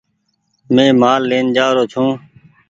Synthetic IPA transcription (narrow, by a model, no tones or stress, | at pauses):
mẽːmaːlːeːnd͡ʒaːɾoːt͡ʃʰõː